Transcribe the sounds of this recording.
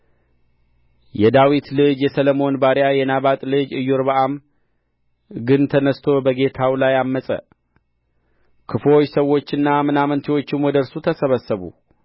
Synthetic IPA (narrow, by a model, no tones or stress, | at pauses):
jɛd̪awit̪lɨd͡ʒjɛsəlomo̞nbaɾjajɛnaβat̪ʼlɨd͡ʒɨjːuɾbəʔam | ɡɨnt̪ʰənəst̪ʰo̞bəɡe̞t̪ʰawlajamːəsʼə̰ | kʰɨfo̞t͡ʃːsəwo̞t͡ʃːɨnːamɨnamənt̪ʰiwo̞t͡ʃːɪmwɔd̪əɾsut̪ʰəsəβəsːəβṵ